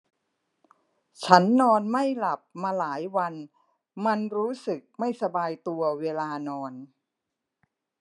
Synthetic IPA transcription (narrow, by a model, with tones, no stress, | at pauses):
t͡ɕʰa˦˥nːɔː˧nma˥˩jla˨˩p̚maː˧laː˩˦jwa˧n | ma˧nɾuː˦˥sɯ˨˩k̚ma˥˩jsa˧baː˧jt̪u˧ɐweː˧laː˧nɔː˧n